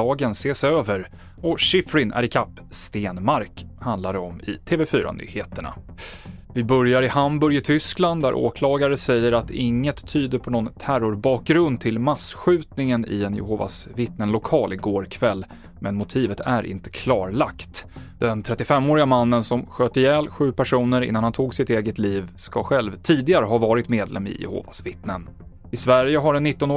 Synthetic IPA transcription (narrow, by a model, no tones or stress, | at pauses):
ɑːɡənseːsøːvəɾ | ɔʂɪfɾɪnæ̰ɾɪkʰapːst̪eːnmaɾkhand̪laɾəɔmɪ̰t̪ʰeːvɛfyːɾa̰ny̰ːheːt̪əɳa̰ | vɪbœɾjaɾɪhambɵɾjɪt̪ʰʏskland̪d̪æ̰ɾʔo̰ːkʰlɑːɡaɾəsɛjːəɾat̪ɪŋːət̪ʰːyːd̪əɾpʰɔnɔnt̪ʰæɾʊɾbɑːk̚ɡɾɵnd̪̚t̪ʰɪlmasɧʉ̟ːt̪nɪŋənɪ̰ɛnjʊ̰hova̰svɪt̪nənlʊkʰɑːlɪɡoːɾkʰvɛlː | mɛnmʊt̪ʰiːvət̪ʰæɾʔɪ̰nt̪ə̥kʰlɑːɾɭa̰kt̪d̪̥ɛnt̪ʰɾɛt̪ːɪfɛmːoːɾɪɡamanːənsɔmɧøːt̪əjɛːlɧʉ̟ːpʰæʂuːnəɾɪ̰nːanhant̪ʰuːɡsɪt̪eːɡət̪liːvskaɧɛlvt̪ʰiːd̪ɪɡaɾəɦavɑːɾɪt̪meːd̪lɛ̰mːɪ̰jʊ̰ho̰ːva̰svɪt̪nən | ɪsvæɾjəɦaɖɛnːɪt̪ːɔnː